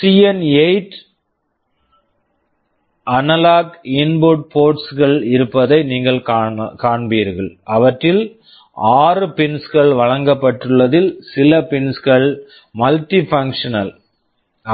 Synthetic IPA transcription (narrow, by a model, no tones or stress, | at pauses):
sijɐneɪʈ | ʔɐnɐlaːkɪnbʊʈ̚poːɾʈsɣɐɭɪɾɯpːɐðɐɪniːŋɡɐɭkaːɳbiːɾɣɐɭɐʋɐʈːrɪl | aːrɯpɪnsɣɐɭʋɐɻɐŋɡɐpːɐʈːɯɭːɐðɪlsɪlɐpɪnsɣɐɭ | mɐlʈifɐŋkʂɐnɐl